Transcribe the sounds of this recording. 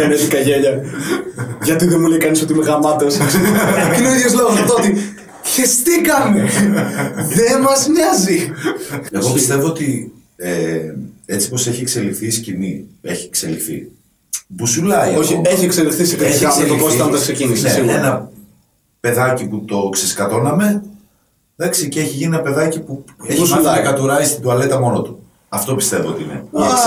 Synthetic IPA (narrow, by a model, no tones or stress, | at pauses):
eneðikɐʝeʎɐ | ʝɐt̪iðemulejkɐnis̬o̞t̪imeɣɐmɐt̪es | inoiðjozloɣosɐt̪oot̪i | çist̪ikɐme | ðemɐzmɲɐzi | eɣo̞pist̪e̞voot̪i | e | e̞t͡si̥po̞seçie̞kse̞lifθiscimie̞̰çiekse̞lḭfθḭ | busulɐioçieçiekselifθisikeçiɐelokost̪ɐt̪ɐksecinisneenɐ | pe̞ðɐciput̪o̞ksiskɐt̪o̞nɐme̞ | ðɐksiceeçiʝinienɐpe̞ðɐcipueçɐɐkɐt̪uɾɐist̪id̪uɐle̞t̪ɐmo̞not̪u̥ | ɐft̪o̞pist̪e̞voot̪inḛ